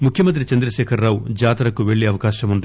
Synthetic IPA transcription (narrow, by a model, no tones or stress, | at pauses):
mukʰjɐmɐnt̪ɾit͡ʃɐnd̪ɾɐʃɛːkʰɐɾːaːwud͡ʒaːt̪ɐɾɐkuʋe̞ɭːiɐʋɐkaːʃɐmund̪i